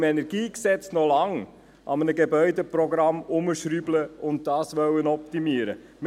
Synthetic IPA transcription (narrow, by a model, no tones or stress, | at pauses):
mɛnɛɾɡiːksɛt͡snɔlɑŋ | ʔɑ̰mənəɡebœʏdepɾɔɡɾɑmʊməʃɾybləʊnt̚d̥ɑːsʋœwənɔp̚timiːəɾə̰ | m